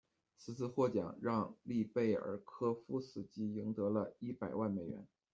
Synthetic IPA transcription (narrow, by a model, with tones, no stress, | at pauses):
t͡sʰɹ̩˨˩t͡sʰɹ̩˥˧xwɔ˥˩t͡ɕjɑ̰˨˩˦ŋɻɑ˥˧ŋli˥˧pe˥˩ɪə̰˨˩kʰɤ˥fu˥sɹ̩˨˩t͡ɕi˧˥ji˧˥ŋt̪ɤ˧˥lə˧i˥˩pa˨˩ɪwa˥˩nme˨˩ɪɥɛ̰˧˥n